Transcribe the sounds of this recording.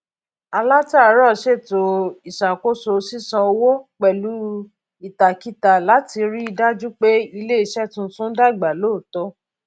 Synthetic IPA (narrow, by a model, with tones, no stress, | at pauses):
a˧la˦ta˦˨˦ɾɔ˦˨ʃe˦˨to˨i˨ʃa˨ko˦so˧si˦sã˧o˧wo˦k͡pɛ˨lu˨˦ | i˦˨ta˨ki˦ta˨la˨˦ti˧ɾi˦i˧da˦d͡ʒu˦k͡pe˦i˧le˦i˧˨ʃɛ˦tũ˧˦sũ˦da˦˨ɡ͡ba˨loː˦˨tɔ˧˦